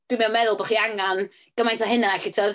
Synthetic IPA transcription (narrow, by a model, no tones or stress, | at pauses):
d̥wimɛnmɛðʊlˠbɔχiaŋan | ɡ̥əmajntʰaɦɪnaɛɬitʰəð